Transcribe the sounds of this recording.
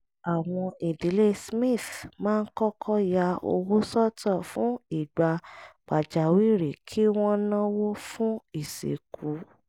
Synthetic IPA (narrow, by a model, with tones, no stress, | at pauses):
a˨w̃ɔ̃˧i˨di˨˦le˦smĩ˦˨θmãː˦˧n̩˦kɔ˦kʰɔ˦ja˧o̰˧wo˦sɔ˦tɔ˦˨fũ˨˦i˦˨ɡ͡ba˧k͡pa˨d͡ʒa˨wi˦˨ɾe˨kʰi˦w̃ɔ̃˦nã˦wo˦fũ˦i˦˨sḛ˨kʰu˨˦